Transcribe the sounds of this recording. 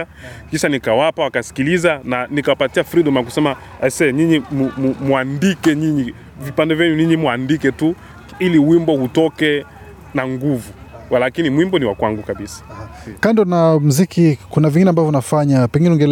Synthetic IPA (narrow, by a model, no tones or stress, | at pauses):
akiʃanikawapawakasi̥kilizananikawapatiafɾiɗɔmaak̬usɛma | asɛɲiɲimumumuandikɛɲiɲi | vipandɛvjɛɲuɲiɲimuandikɛtu | iliwimbɔhutɔkɛ | naŋɡuvuwalakinimwimbɔniwakwaŋɡukaɓisḁ | kandɔnam̩zikikunaviŋɡinɛambavɔunafaɲapɛŋɡinɛuŋɡɛl